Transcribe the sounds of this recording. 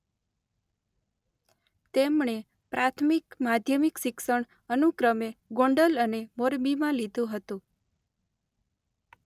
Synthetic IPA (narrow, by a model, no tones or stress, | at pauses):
t̪emɳe | pɾʔat̪ʰmikmad̪ʱjəmikʃikʃəɳ | ənukɾəmeɡõɳɖələnemoɾmimãlid̪ʱũɦət̪ũ